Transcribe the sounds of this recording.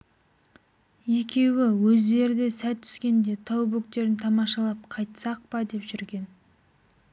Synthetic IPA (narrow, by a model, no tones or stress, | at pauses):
je̞kʲe̞wɪwɵzd̪e̞ɾd̪ɪsæt̪ʰːʏ̥skʲe̞nd̪e̞t̪ʰɑwbɵk̚t̪e̞ɾɪnt̪ʰɑmɑʃɑlˠɑp̚qʰɑjt̪sɑq̚pɑd̪e̞pʒʏɾɡʲe̞n